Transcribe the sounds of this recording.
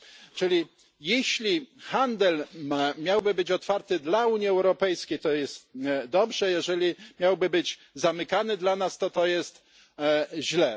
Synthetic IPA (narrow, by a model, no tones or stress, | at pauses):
t͡ʂɘlʲi | jeɕlʲixand̪ɛlmmʲjawbɘbɘt͡ɕɔt̪faɾt̪ɘd̪lauɲiɛwɾɔpɛjskʲejt̪ɔjɛst̪d̪ɔbʐɛjɛʐɛlʲimʲjawbɘbɘd͡ʑ | zamɘkanɘd̪lanast̪ɔt̪ɔjɛst̪ | ʑlɛ